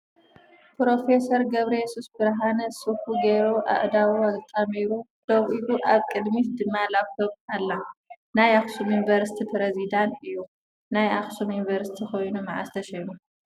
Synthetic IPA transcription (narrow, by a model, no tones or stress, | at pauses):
pɾo̞fe̞sɐɾɡɐβɾɐjɛsusbɨɾɦanɐsɨfuɡeɾuʔa̰ʔd̪awuazt̪ʼɐmiɾu | d̪̥oβʔiluʔaβkʼɨd̪mit̪d̪ɨmːalaβkʰɐβalːa | najaxsumjunivɐɾsi̥t̪ʰipɾezid̪ant̪ɨjːu | najaxsumjunvɐɾsi̥t̪ʰixo̞jnumaʕa̰st̪ʰɐʃɐnu